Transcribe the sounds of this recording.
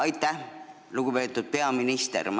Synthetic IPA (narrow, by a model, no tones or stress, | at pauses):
ɑjt̪ːˑæh | luɡ̥ube̞ːt̪ːˑud̪̥̚pe̞ɑminist̪ḛɾm